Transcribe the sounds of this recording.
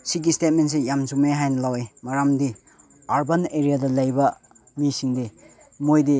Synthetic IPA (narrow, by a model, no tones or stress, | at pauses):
siɡistet̚ments̬ejamzumeɦajnɐlawemaɾamdi | aɾbɐneɾijadɐlɐjbɐ | misiŋdi | mojdi